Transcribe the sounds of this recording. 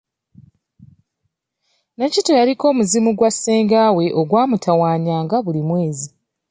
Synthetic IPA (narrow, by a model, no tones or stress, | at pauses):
nacito̞jaɾiko̞ːmuzimuɡwasːeːŋɡaːwe̞ʔoɡwaːmutʰawaːɲaːŋɡaβulimwe̞ːzi